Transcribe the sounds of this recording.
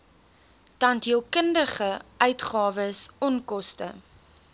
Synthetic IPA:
tɐntɦiəlˠkəndəχəœɥtχɑːvəsɔnkɔstə̰

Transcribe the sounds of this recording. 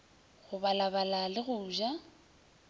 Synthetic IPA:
ɣʊbalabalalɪɣʊːʒa

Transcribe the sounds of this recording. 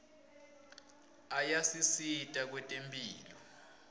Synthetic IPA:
ajasisitʼak̬wɛtʼempʼḭːlɔ

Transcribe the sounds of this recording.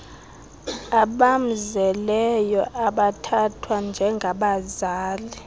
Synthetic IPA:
aɓam̩zɛlɛjɔʔaɓatʰatʰwand͡ʒʱɛŋɡʱaɓazaːli

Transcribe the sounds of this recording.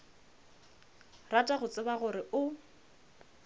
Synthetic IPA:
ratʼaɣʊt͡sʼɪbaɣʊɾɪʔʊ

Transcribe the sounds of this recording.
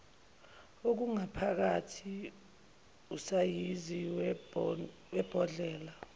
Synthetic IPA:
ok̬uŋapʰak̬atʰi | usajizi | wɛb̥ʱɔɮɛːla

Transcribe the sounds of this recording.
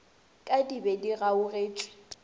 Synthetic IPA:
kʼadibɛdiɣaʊreːt͡ʃʼwɪ̥

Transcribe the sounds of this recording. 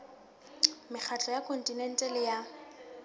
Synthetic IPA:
mɪk͡xʰat͡ɬʼɔjakʰɔntʼinɛntʼɛlɪja

